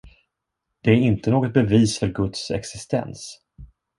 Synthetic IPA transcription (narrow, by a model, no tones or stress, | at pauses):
d̪̥ɛæɾɪnt̪ənoːɡɔt̪̚bɛviːsfœɾɡɵt̪sɛ̰ksɪst̪ɛ̰ns